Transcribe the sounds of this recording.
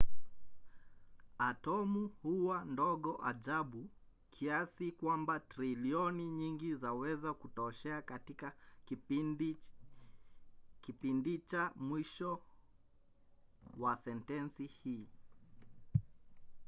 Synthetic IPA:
atɔmuhuwandɔɠɔʔa̰ʄaɓu | kʰiasikwambatɾiliɔniɲiŋɡizawɛzakutɔʃɛakatika | kipindit͡ʃamwiʃɔ | wasɛntɛnsihiː

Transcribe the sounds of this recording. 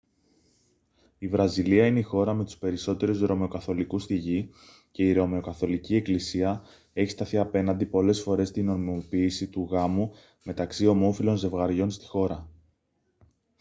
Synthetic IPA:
ivɾɐziliɐine̞ixo̞ɾɐme̞t̪u̥spe̞ɾiso̞t̪e̞ɾuzɾo̞meo̞kɐθo̞likust̪iʝi | ce̞iɾo̞me̞o̞kɐθo̞licie̞klisiɐ | e̞çi̥st̪ɐθiɐpe̞nɐnd̪ipo̞le̞sfo̞ɾe̞st̪ino̞ɾmiopiːsit̪uɣɐmu | me̞t̪ɐksio̞mo̞filo̞nze̞vɣɐɾʝo̞nst̪i̥xo̞ɾɐ

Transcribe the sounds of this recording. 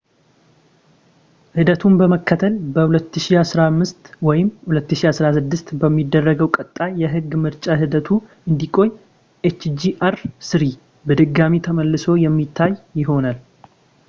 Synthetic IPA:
hɨd̪ət̪ʰumbəməkʰːət̪ʰəlbəhulət̪ːɨʃiasɾamːɨst̪wɔjɪmhulət̪ːɨʃiasɾasɨd̪ːɨst̪bəmːid̪ːərːəɡəwkʼət̪ʼːajɛɦɨɡːmɨɾt͡ʃʼaɦɨd̪ət̪ʰu | ɨnd̪ikʼo̞ɲ | ʔet͡ʃːd͡ʒiʔaɾsɨɾi | bəd̪ɨɡːamit̪ʰəməlːɨso̞jɛmːit̪ʰːajːɪɦo̞nal

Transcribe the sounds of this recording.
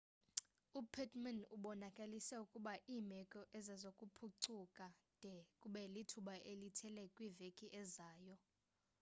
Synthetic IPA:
upʰɛtʰʼmanuɓɔnakʼalisɛukʼuɓaʔiːmɛkʼɔʔɛzazokʼupʰuǀukʼa | d̥ʱɛkʼuɓɛlitʰuɓaʔelitʰɛlɛkʼwivekʼiʔɛzaːjɔ

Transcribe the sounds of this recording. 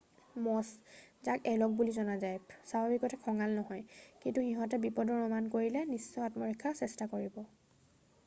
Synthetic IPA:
mɔszakɛlɔk̚bulizɔnazajsababikɔtɛkʰɔŋalnɔɦɔjkintuxiɦɔ̃t̬ɛbipɔdɔɹɔmankoɹilɛnisːɔatmɔɹikʰːasɛstakoɹibɔ

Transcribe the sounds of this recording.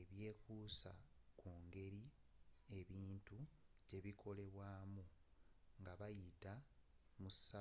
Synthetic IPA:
eβje̞ːkuːsakuːŋɡe̞ɾie̞βiːntuɟe̞βikʰo̞le̞βwaːmuŋɡaβajitamusa

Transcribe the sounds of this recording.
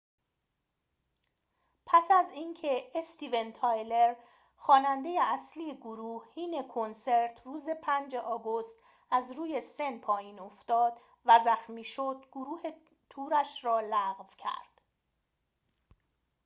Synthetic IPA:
pʰæsæziːncʰe̞est̪iːvent̪ʰɒːjle̞ɾ | xɒːnænd̪e̞jeæsliːjeɡoɾuːhhiːne̞kʰonse̞ɾt̪ʰruːze̞pʰænd͡ʒe̞ʔɒːɡo̞st̪ | æzɾuːje̞se̞npʰɒːjiːno̞ft̪ɒːd̪ | væzæxmiːʃod̪̚ɡ̥oɾuːhe̞ | t̪ʰuːɾæʃrɒːlæɣvcʰæ̰ɾd̪̥

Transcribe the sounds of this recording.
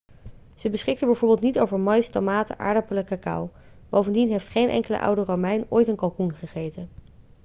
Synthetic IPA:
z̥əbəsχɪkəbɛjvʊːɹbɪːlˠtnitowvəɹmɑjstomaːtə̰ʔa̰ːɹdapələkakɑ̰wb̥owvəndinɦejftχejnʔɛ̰ŋkələ̰ʔɑ̰wdərowmɛjno̰ːjtənkɑlˠkunχəχejtən

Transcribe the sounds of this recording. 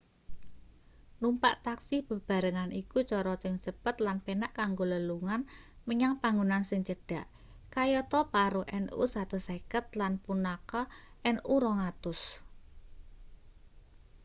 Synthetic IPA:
numpa̰ʔt̪aksɪb̥ə̤b̥a̤ɾəŋanikut͡ʃɔɾɔt͡ʃɪŋd͡ʒəpət̪lanpenaʔkaŋɡoləluŋanməɲaŋpaŋɡunansɪŋt͡ʃəɖ̥a̤ʔ | kajɔt̪ɔpaɾuʔɛnʔṵsat̪osekət̪lanpunakɔɛnʔuɾɔŋat̪ʊs

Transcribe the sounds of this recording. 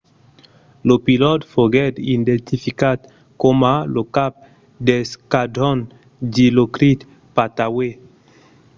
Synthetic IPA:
lopilɔt̪foɡɛd̪indent̪ifikat̪ | komalokap̚ | deskadɔn | dilokɾit̪ | pat̪awe

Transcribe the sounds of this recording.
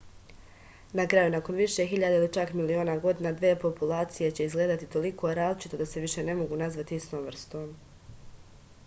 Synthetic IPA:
nakɾajunako̞nʋiʃe̞ɦiʎad̪eilit͡ʃakmilio̞ːnaɡo̞d̪inad̪ʋiepo̞pulˠaːt̪sije̞t͡ɕe̞izɡleːd̪at̪it̪o̞likʰo̞ɾaːzlit͡ʃi̥t̪o̞d̪ase̞ʋiʃe̞ne̞mo̞ɡunazʋat̪iist̪o̞ːmʋr̩st̪o̞ːm

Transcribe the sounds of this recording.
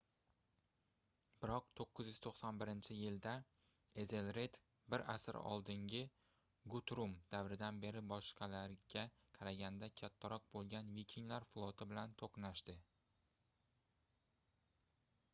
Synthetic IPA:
b̥ɪɾɒqt̪ʰoqːɨzjyz̥t̪ʰoqsɒnbɪɾɪnt͡ʃʰɪjɪld̪a | eze̞lɾet̪ | bɪɾasɪ̰ɾ̰ɒ̰lˠd̪ɪŋɡʲɪ | ɡut̪ɾumd̪̥avɾɪd̪anbe̞ɾɪbɒʃqʰɑlaɾɡʲa | qʰɑɾaɡʲand̪akʲʰat̪ʰːaɾɒq̚bolˠɡʲanvikʲʰiŋlaɾflˠɒt̪ʰɪbɪlant̪ʰoqnaʃt̪ɪ

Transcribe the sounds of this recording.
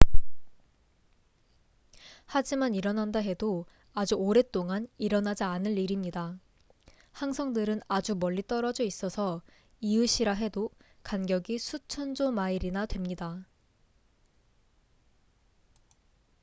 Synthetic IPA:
had͡ʑimaniɾʌnandaɦe̞do | ad͡ʑuoɾe̞t͈oŋaniɾʌnad͡ʑaːnɯɭːiɾimɲida | haŋsʰʌŋdɯɾɯnad͡ʑumʌɭːit͈ʌɾʌd͡ʑʌis͈ʌsʰʌ | iɯɕʰiɾaɦe̞do | kanɡjʌɡisʰut͡ɕʰʌnd͡ʑomaiɾinadwe̞mɲida

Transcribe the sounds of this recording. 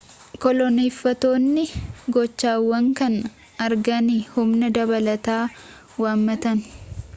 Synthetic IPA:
kɔlɔneːfːɐt̪oːnːɪɡɔt͡ʃːaːwːɐŋkɐn | ɐɾɡɐnɪhʊmnɐd̪ɐbɐlɐt̪aː | waːmːɐt̪ɐn

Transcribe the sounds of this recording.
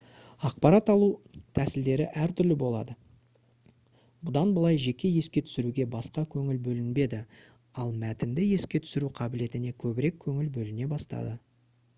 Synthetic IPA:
ɑq̚pɑɾɑt̪ɑlˠut̪ʰæsɪld̪e̞ɾɪʔæɾt̪ʰʏɾlɪbo̞lˠɑ̰d̪ə | bʊd̪ɑnbəlˠɑjʒe̞kʲʰe̞je̞skʲe̞t̪ʰʏ̥sɪɾuɡʲe̞bɑsqɑkʲʰɵŋɪlbɵlɪnbe̞d̪ɪ | ɑlˠmæt̪ɪnd̪ɪje̞skʲe̞t̪ʰʏ̥sɪɾuqʰɑbɪle̞t̪ɪne̞kʲʰɵbɪɾe̞kʲʰɵŋɪlbɵlɪne̞bɑst̪ɑ̰d̪ə

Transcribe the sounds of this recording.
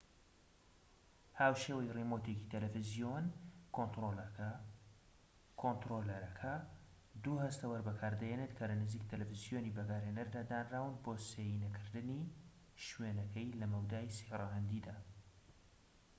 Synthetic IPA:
haːwʃeːwɐjrimot̪eci̥t̪ʰɐlɛfɪzijonkot̪ol | kʰont̪ɾolɐɾɐkʰɐ | d̪uhɐst̪ɐwɐɾbɐkʰaːɾd̪ɐjenet̪kʰɐlɐnɨziːk̚t̪ʰɐlɛfɨzijoːnibɐɡaːɾheːnɐɾd̪aːd̪aːnraːwɨnboːseːjinɐkʰɨɾd̪ɨni | ʃwenɐkʰɐjlɐmɐwd̪aːiseraɦɐnd̪id̪aː

